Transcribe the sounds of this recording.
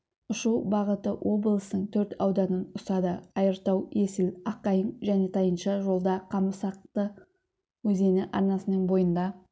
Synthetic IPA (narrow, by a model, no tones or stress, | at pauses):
ʊʃuwbɑʁət̪əwʔo̞blˠəsənəɴt̪ʰɵɾt̪ʰɑwd̪ɑnənʊst̪ɑd̪əɑjəɾt̪ɑwe̞sɪlɑqɑjəɴʒæne̞t̪ʰɑjənʃɑʒo̞lˠd̪ɑqʰɑməsɑq̚t̪ə | wɵze̞nɪʔɑɾnɑsənəɴbo̞jənd̪ɑ